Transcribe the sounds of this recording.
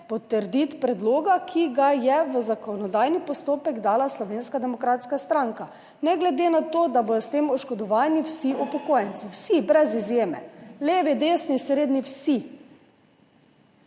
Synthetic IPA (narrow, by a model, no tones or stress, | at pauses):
pɔt̪ːəɾd̪it̪pɾɛd̪loːɡakʰiɡajɛʋəzakɔnɔd̪aːjnipɔst̪oːpɛɡd̪aːlaslɔʋeːnskad̪ɛmɔkɾaːt̪skast̪ɾaŋka | nɛɡlɛd̪enat̪oːd̪aboːd̪ɔst̪eːmɔʃkɔd̪ɔʋaːniwsiʔɔpɔkoːjɛnsiwsibɾɛzizjeːmɛ̰leːʋid̪eːsnisɾeːd̪niwsi